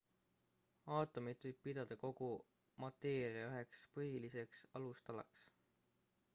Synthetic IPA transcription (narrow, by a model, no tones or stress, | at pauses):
ɑːt̪ːˑomid̪vɤjb̥̚pid̪̥ɑd̪̥ɑko̞ɡ̥u | mɑt̪ːˑeːɾiɑyɦe̞kspɤɦilise̞ksɑlust̪ɑlɑ̰ks